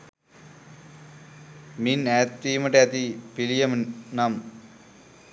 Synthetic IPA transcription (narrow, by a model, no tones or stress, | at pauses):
minæːt̪ːiːmɐʈeɐt̪ipilijɐmnɐm